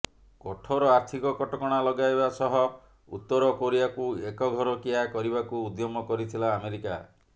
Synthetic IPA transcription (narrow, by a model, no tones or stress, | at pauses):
kɔʈʰɔɾɔaɾt̪ʰikɔkɔʈɔkɔɽ̃alɔɡaebasɔɦɔ | ṵt̪ːɔɾɔkoɾibakuekɔɡʱɔɾɔkiakɔɾibakuud̪jɔmɔkɔɾit̪ʰilaːmeɾika̰